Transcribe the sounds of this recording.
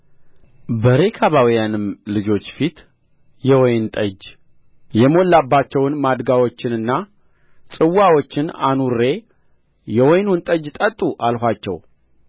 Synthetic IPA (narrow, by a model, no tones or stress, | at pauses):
bəɾekʰaβawijanɨmlɨd͡ʒo̞t͡ʃːfit̪ | jɛwɔjnt̪ʼəd͡ʒ | jɛmo̞lːabːat͡ʃːɛwnmad̪ɡawo̞t͡ʃːɪnɨnːa | sʼɨwːawo̞t͡ʃːɪnanuɾːe̞ | jɛwɔjnunt̪ʼəd͡ʒt̪ʼət̪ʼːuʔalhʷat͡ʃːɛ̰w